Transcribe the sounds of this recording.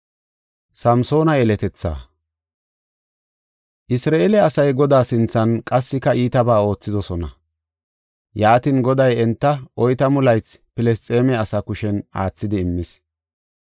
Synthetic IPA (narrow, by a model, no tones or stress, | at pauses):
sɐmso̞ːnɐɛlɛt̪ɛt͡sːa̰ː | ʔɪsɾaːelɛɐsɐjɡɔd̪aːsɪnt͡sːɐnkʼɐsːɪkɐʔiːt̪ɐbaːo̞ːt͡sːɪd̪ɔsɔnɐ̰ | jaːt̪ɪnɡɔd̪ɐjɛnt̪ːɐʔɔjt̪ɐmʊlɐjt͡spɪlɛst͡sʼeːmɛɐsɐkʊʃɛnaːt͡sːɪd̪ɪːmːɪs